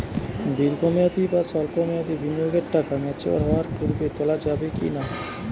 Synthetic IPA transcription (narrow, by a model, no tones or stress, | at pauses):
d̪iɾɡɔmeat̪ibasɔlkomeat̪ibʱinijoɡeɾʈakamɛt͡ɕʰḛa̰ɾɦɔwaɾpuɾbet̪ɔlad͡ʑabekḭna